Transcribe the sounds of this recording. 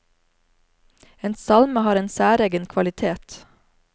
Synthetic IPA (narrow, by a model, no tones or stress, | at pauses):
eːnsɑlməhɑːɾeːnsæːɾeːɡənkʰʋɑlɪt̪ʰeːt̪